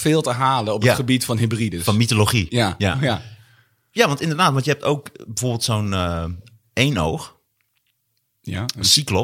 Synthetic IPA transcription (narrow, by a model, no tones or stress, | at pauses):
fɪːlˠtəɦaːləɔpjatχəbitfɔnɦibridəfɔnmitoloχiaja | jaʋɑntɪ̃ndərdaːtʋɑntjəɦɛp̚to̰wkbəvoːrbɪːlˠtsownə | ejno̰wx | əsiklo